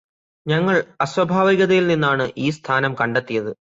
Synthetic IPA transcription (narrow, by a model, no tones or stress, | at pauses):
ɲɐŋːɐɭɐswɐbʱaːʋiɣɐðɐjilninːaːɳɨʔiːst̪ʰaːnɐmkɐɳɖet̪ːijɐðɨ